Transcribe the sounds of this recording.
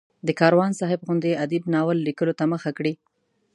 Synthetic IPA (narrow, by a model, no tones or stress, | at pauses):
d̪əkɑɾwɑnsɑɦɪbɣʊnd̪ead̪ibnɑwəlːikəlot̪aməxakɽi